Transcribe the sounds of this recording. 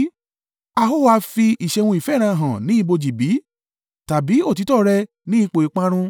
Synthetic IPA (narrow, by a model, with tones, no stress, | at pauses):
a˧ɦo˦˨wa˧fi˧i˨ʃɛ˧w̃ũ˧i˨fɛ˦˨ɾ̃ã˧˨ɦã˨nĩ˨˦i˦˧bo˧d͡ʒi˨bi˨˦ | ta˨bi˨˦o˦˨ti˨˦tɔ˦˨˧ɾɛ˧ | nĩ˦i˦˧k͡po˨i˨˦k͡pã˧˦ɾ̃ũ˧